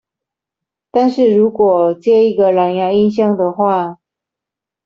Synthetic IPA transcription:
t̪a˥˧nʂɻ̩˥˩ɻu˧˥kwɔ˨˩t͡ɕjɛ˥˧i˧˥ɡə˨la˨˩njɑ˧˥i˥˧nɕjɑ˥˩ŋd̪ə˨xwa˥˩

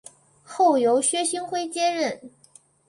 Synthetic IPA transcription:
xo˥˩ʊjo˧˥ʊɕɥɛ˥ɕi˥ŋxwe˥˧ɪt͡ɕjɛ˥ɻə˥˩n

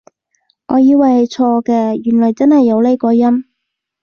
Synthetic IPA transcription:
ŋɔː˨˧jiː˧wɐ˨jhɐ˨˧jt͡sʰɔː˧kɛː˧jyː˨˩nlɔː˨˩jt͡sɐ˥nhɐ˨jːɐ˨˧wle˥kɔː˧jɐ˥m

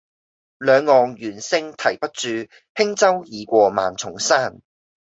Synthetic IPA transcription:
lœː˨˧ŋːɔː˨ŋjyː˨˩nsɪ˧ŋt̪ʰɐ˨˩jpɐ˥t̚t͡ʃyː˨˧ | pʰɪ˥ŋt͡sɐ˥wjiː˨˧kʷɔː˧ma̰ː˨nt͡sʰʊ˨˩ŋsaː˥˩n

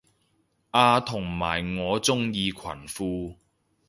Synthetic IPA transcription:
ʔaː˧t̪ʰʊ˨˩ŋma̰ː˨˩jŋɔː˨˧t͡sʊ˥ŋjiː˧kʰwɐ̰˨˩nfuː˧

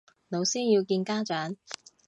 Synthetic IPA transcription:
no˨˧wsiː˥njiː˧wkiː˧nkaː˥t͡ʃœː˨˥ŋ

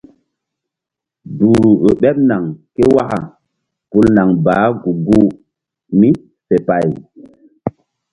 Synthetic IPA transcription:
duː˨ɾu˨o˨ɓɛ˦p̚na˨ŋke˦wa˦ka̰˨ | pu˦lna˨ŋbaː˨˦ɡu˨ɡu˦ | mi˦ | fe˨pa˨j

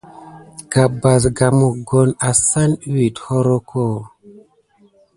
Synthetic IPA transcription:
ɡ̥a˨ba˨s̬ɡa˨mu˨ɡo˦na˨sa˦n˦wi˨tho˦ɾo˦kʰo˦˨

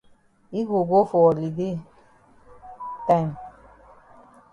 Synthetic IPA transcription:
i˦ɡo˨ɡo˦fɔ˨li˨de˦ | ta˦˨m

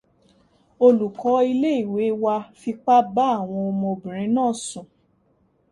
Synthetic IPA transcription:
o˧lu˨kɔ˨˦i˧le˦i˦˨we˨˦wa˧fi˧k͡pa˦ba˦˨w̃ɔ̃˧ɔ˧mɔ̃˧bĩ˨ɾĩ˨˦nãː˦˨sũ˨

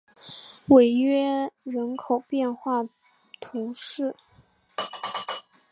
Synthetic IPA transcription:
we˨˩ɪɥɛ˥ɻə˧˥nkʰo˨˩ʊpjɛ˥˧nxwa˥˩ | t̪ʰu˧˥ʂɻ̩˥˩

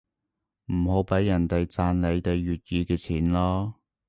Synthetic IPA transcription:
m̩˨˩ɦo˨˥wpɐ˨˥jːɐ˨˩nt̪e˨jt͡saː˧nle˨˧jt̪e˨jɥyː˨t̚jiː˨˧kɛː˧t͡sʰiː˨˥nlɔː˥

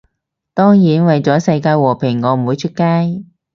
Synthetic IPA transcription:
t̪ɔː˥ŋjiː˨˥nwɐ˨jt͡sɔː˨˥sɐ˧jkaː˧jwɔː˨˩pʰɪ˨˩ŋːɔː˨˧m̩˨˩wuː˨˧jt͡ʃʰɵ˥t̚kaː˥j

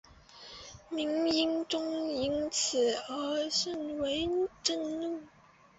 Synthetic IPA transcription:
mi˧˥ŋi˥ŋʈ͡ʂʊ˥ŋi˧˥nt͡sʰɹ̩˨˩ə˧˥ʂə˥˩nwe˧˥ɪʈ͡ʂə˥˧ŋnu˥˩

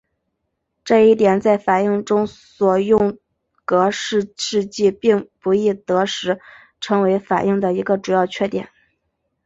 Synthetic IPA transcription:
ʈ͡ʂɤ˥˧i˥˩t̪jɛ˨˩nt͡sa˥˩ɪfa˨˩i˥˩ŋʈ͡ʂʊ˥ŋswɔ˨˩jʊ˥˩ŋ | kɤ˧˥ʂɻ̩˥˧ʂɻ̩˥˧t͡ɕi˥˧pi˥˩ŋpu˧˥i˥˩t̪ɤ˧˥ʂɻ̩˧˥ | ʈ͡ʂʰɤ˧˥ŋwe˧˥ɪfa̰˨˩ʔi˥˩ŋd̪ə˩i˧˥ɡə˧ʈ͡ʂu˨˩jɑ˥˧ʊt͡ɕʰɥɛ˥˧t̪jɛ̰˨˩˦n

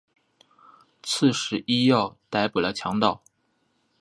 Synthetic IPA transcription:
t͡sʰɹ̩˥˩ʂɻ̩˧˥i˥jɑ˥˩ʊt̪a˧˥ɪpu˨˩lə˦t͡ɕʰjɑ˧˥ŋt̪ɑ˥˩ʊ

